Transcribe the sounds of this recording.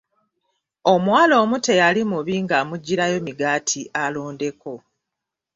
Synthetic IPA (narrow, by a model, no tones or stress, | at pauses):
o̞mwaːlo̞ːmute̞jalimuβiːŋɡamuɟːiɾajo̞miɡaːtʰialo̞ːnde̞ko̞